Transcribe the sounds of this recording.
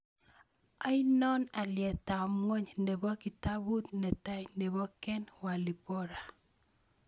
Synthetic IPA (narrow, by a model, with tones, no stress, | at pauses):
a˦i˦nɔ˦na˨ljɛ˨ta˨mŋo˦ɲnde˨bɔ˦ki˨ta˦bu˦t̪nɛ˨ta˦jnde˨bɔ˦kɛ˦nwa˨li˨pɔ˦ɾa˨